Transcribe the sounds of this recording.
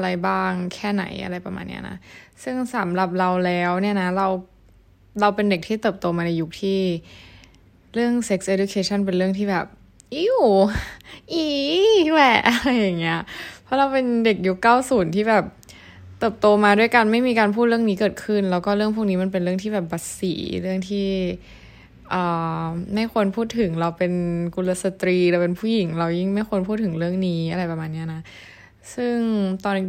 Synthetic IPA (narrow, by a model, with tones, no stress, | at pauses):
ʔa˧ɾa˧jbaː˥˩ŋkʰɛː˥˩na̰˩˦jʔa̰˧ɾa˧jpɾa˧ma̰ː˧nːḭ˦˥ɐ˩na̰˦˥sɯ˥˩ŋsa˩˦mɾa˨˩p̚ɾa˧wlɛː˦˥wni˥˩ɐna˦˥ɾa˧w | ɾa˧wpe˧nde˨˩k̚t̪ʰiː˥˩t̪ɤː˨˩p̚t̪oː˧maː˧na˧jːu˦˥k̚t̪ʰiː˥˩ | ɾɯ˥˩əŋse˦˥ksʔeː˧du˧kʰeː˧t͡ɕʰa˥˩np̬e˧nɾɯ˥˩əŋt̪ʰiː˥˩bɛː˨˩p̚ | ʔi˧˩w | ʔiː˧˩lɛ˨˩ʔa˧ɾa˧jːa˨˩ŋːi˦˥ɐʔpʰɔ˦˥ɾa˧wpe˧nde˨˩k̚ju˦˥kːaː˥˩wsuː˨˩˦nt̪ʰiː˥˩bɛː˨˩p̚ | t̪ɤː˨˩p̚t̪oː˧maː˧du˥˩əjka˧nma˥˩jmiː˧kaː˧npʰuː˥˩t̪̚ɾɯ˥˩əniː˦˥kɤː˨˩t̪̚kʰɯ˥˩nlɛː˦˥wkɔː˥˩ɾɯ˥˩əŋpʰuː˥˩niː˦˥ma˧npe˧nɾɯ˥˩əŋt̪ʰiː˥˩bɛː˨˩p̚ba˨˩t̚sḭː˩˦ɾɯ˥˩əŋt̪ʰiː˥˩ | ʔɤː˨˩ma˥˩jxʰo˧npʰuː˥˩t̪ʰːɯ˩˦ŋɾa˧wpe˧nku˧nla˦˥sa˧t̪ɾiː˧ɾaː˧˩wpe˧npʰuː˥˩ji˨˩˦ŋɾa˧wji˥˩ŋma˥˩jxo˧npʰuː˥˩t̪̚ʰːɯ˨˩˦ɾɯ˥˩əŋniː˦ʔa˧ɾa˧jpa˧maː˧nːi˦˥ɐ˩na˦˥ | sɯ˥˩ŋt̪ɔː˧n˥